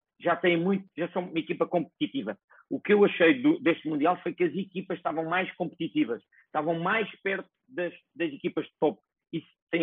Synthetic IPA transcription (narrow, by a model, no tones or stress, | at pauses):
ʒat̪ɐ̃j̃mũj̃t̪ʒasɐ̃umɐikipɐkõmp̚t̪it̪ivɐ | ukewɐʃɐjðud̪eʃt̪mũnd̪ialˠfojkɐzikipɐʃt̪avɐ̃w̃majʃkõmp̚t̪it̪ivɐʃ | ʃt̪avɐ̃w̃majʃpɛɾt̪u̥d̪ɐʃ | d̪ɐzikipɐʒd̪t̪ɔp̚ | is | t̪ɐ̃j̃